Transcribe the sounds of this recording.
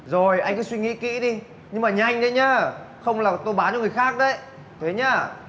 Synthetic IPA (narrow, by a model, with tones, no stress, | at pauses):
zo˨˩jʔa˧jŋ̟kɔ˨˦swi˧ŋḭ˧˥kḭ˧˥ɗi˧ | ɲɨ˧ŋmaː˨˩ɲa˧jŋ̟ɗə˨˦jɲaː˧ | xə˧wŋ͡mlaː˨˩t̪o˧jɓaː˨˦nt͡ɕɔ˨˧˦ŋ˨˩jxaː˦˥k̚ɗə˧˦j | t̪ʰe˨˦ɲaː˧˩